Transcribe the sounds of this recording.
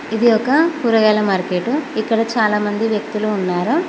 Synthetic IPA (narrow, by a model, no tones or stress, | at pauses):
id̪iɔkɐpuːɾɐɡaːlɐmaːɾkeːʈːuikːɐɽɐt͡ʃaːlaːmɐnd̪iʋjɐk̚t̪uluːnːaːɾu